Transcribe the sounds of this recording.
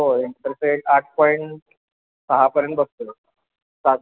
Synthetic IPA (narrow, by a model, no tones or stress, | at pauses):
oeɳt̪əɾseʈaʈ̚ʰpɔiɳʈ | səɦapəɾjənt̪̚bəst̪ə | sa